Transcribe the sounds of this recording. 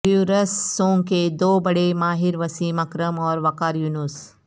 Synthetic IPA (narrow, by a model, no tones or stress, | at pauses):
juːɾəsːõːŋked̪oːbɐɽemaːɦɪɾʋɐsiːmɐkɾəmɔːɾʋɐkaːɾjuːnus